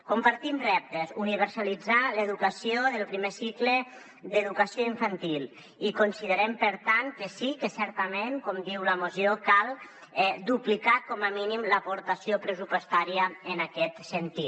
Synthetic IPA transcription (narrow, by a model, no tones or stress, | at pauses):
kompaɾt̪imrɛp̚t̪ezuniβəɾsalid͡zaləðukəsioðəlˠpɾimesiklə | d̪əðukasijoiɱfant̪ilˠ | ikonsiðəɾɛmpəɾt̪aŋkəsikəsɛɾt̪əmenkɔmd̪iwləmozjokalˠ | ɛd̪uplikakɔməminimləpoɾt̪asiopɾəsupost̪aɾiəənakɛt̪sənt̪i